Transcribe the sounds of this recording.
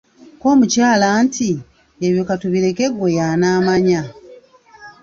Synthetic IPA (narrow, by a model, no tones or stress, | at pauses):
ko̞ːmucaːlaːnti | eβjokatuβiɾe̞ke̞ɡwe̞jaːnaːmaɲa